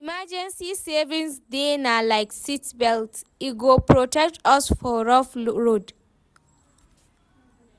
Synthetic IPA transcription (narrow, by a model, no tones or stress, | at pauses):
imad͡ʒɛ̃nsisɛvĩŋsdenalaɪksitbɛlt | iɡopʰɹɔtɛk̚tɔsfɔɹɔfɹod